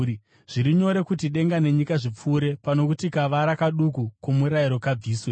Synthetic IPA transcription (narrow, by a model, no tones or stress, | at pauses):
ʐ̥iɾiɲo̞ɾe̞kutiɗe̞ŋɡane̞ɲikaʐip͡fuːɾe̞pano̞kutikaʋaɾakaɗukukomuɾaiɾo̞kab͡viːswe